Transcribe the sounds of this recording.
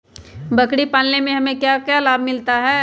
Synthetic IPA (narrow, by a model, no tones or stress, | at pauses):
bɐkɽipaːlnemẽɦɐmẽkjakjalaːbmɪlt̪aɦɛː